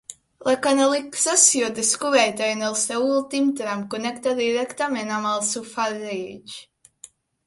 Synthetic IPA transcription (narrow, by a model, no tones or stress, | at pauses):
lakanalˠiksasjɔd̪eskuvɛjt̪ajnɛlˠst̪ɛulˠt̪imt̪ɾamkunɛkt̪ad̪iɾɛkt̪amɛnamalˠsufaɾiːd͡ʒ